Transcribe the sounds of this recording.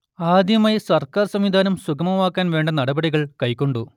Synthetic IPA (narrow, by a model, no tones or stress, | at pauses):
aːd̪jɐmaːjsɐrkaːrsɐmʋid̪ʱaːnɐmsukɐmɐmaːkːaːnʋeːɳɖɐnɐɽɐbɐɽiɣɐɭkɐjkːo̞ɳɖu